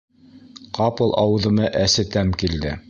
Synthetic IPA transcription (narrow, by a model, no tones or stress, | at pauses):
qɑpɤ̆lˠʔɑwɤ̆ðɤ̆mɤʔæsɘt̪æmkild̪ɘ̰